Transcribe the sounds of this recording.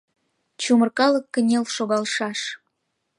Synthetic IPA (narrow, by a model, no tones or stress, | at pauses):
t͡ɕumərkɑləkːə̆nʲelʃoɣɑlʃɑʃ